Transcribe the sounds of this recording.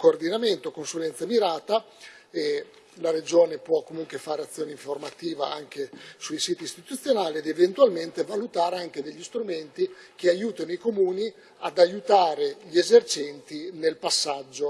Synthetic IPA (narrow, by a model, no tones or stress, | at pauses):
koːrd̪inament̪okonsulɛnt̪samiɾaːt̪a | e | laɾed͡ʒoːnepwɔkːomuŋkwefaːɾeat̪sːjoːneiɱformat̪iːvaaŋk̟esuisiːt̪iːst̪it̪ut̪sːjonaːlied̪event̪ualment̪evalut̪aːɾeaŋk̟ed̪eʎːist̪ɾument̪ik̟eajuːt̪inoikomuːni | ad̪ajut̪aːɾeʎiezert͡ʃɛnt̪inelpasːad͡ʒːo